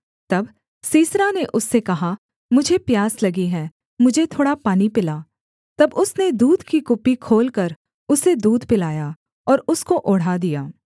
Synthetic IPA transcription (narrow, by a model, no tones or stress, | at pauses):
t̪ɐb | siːsɾaneʔʊsːekɐɦa | mʊd͡ʒʱepjaːslɐɡiɦɛː | mʊd͡ʒʱet̪ʰoːɽapaːnipɪlaː | t̪ɐbʊsned̪uːd̪ʱkikʊpːikʰoːlkɐɾ | ʊsed̪uːd̪ʱpɪlaːja | ɔːɾʊskoʔʊɽ̤ad̪ijaː